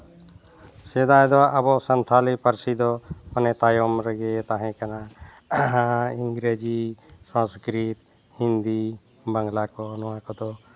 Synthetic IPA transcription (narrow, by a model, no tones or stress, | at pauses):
sɛd̪ajd̪ɔəbɔʔsənt̪ʰalipəɾsid̪ɔmanɛt̪ajɔmɾəɡɛt̪aɦɛ̃kana | iŋɡɾed͡ʒisãskɾit̪ | hind̪i | bəŋɡlakɔnɔwakɔd̪ɔ